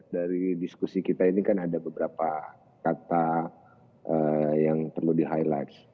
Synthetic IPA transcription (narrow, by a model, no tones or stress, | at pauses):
daɾidiskusikit̪ainikanadabəbəɾapa | kat̪a | ʔəjaŋpərludiɦajlat̪s